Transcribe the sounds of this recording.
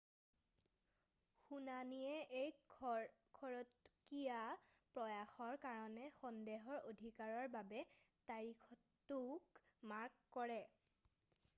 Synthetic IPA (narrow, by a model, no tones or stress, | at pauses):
xunanijɛʔej | kʰɔɹɔtkijapɹɔjaxɔɹkaɹɔnɛxɔndeɦɔɹodʱikaɹɔɹbabɛtaɹikʰɔt | ukmaɹkːɔɹɛ